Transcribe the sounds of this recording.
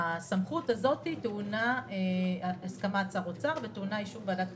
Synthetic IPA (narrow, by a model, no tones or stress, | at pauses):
samχutazo̞titeunaeaskamat͡saʁot͡saʁveteunaiʃuvbeadat